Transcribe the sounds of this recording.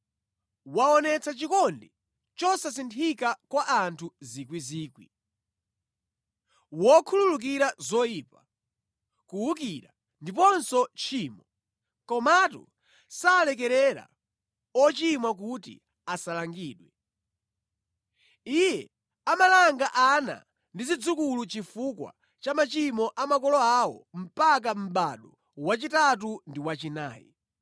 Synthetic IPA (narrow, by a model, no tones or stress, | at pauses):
waɔnɛt͡sʰat͡ʃikɔndi | t͡ʃɔsasintʰikakwaʔantʰuzikwiziːkwḭ | wɔkʰululuk̬iɾazɔjiːpa | kuwuk̬iɾa | ndip̬ɔnsɔt͡ʃʰiːmɔ | kɔmatṵ | saːlɛk̬ɛɾɛɾa̰ | ɔt͡ʃimwak̬utḭ | asalaŋɡiːɗwɛ | ijɛ | amalaŋɡaʔana̰ | ndizid͡zukulut͡ʃifukwa̰ | t͡ʃamat͡ʃimɔʔamakɔlɔawɔ̰m̩pak̬am̩ɓaɗɔ | wat͡ʃitat̬undiwat͡ʃina̰ːjḭ